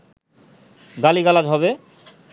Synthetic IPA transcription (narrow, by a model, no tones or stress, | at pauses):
d̪aliɡalad͡ʑɦɔβe